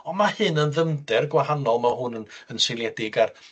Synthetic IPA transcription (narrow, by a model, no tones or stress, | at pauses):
ɔmahɨnənðəmdɛrɡwaɦanɔlˠmaɦʊnənənselˠjɛdɪɡar